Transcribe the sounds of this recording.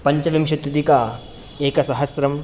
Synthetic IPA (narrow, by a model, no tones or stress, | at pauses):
pɐɲt͡ʃɐʋimʃɐt̪ːud̪ikaː | eːkɐsɐɦɐsɾɐm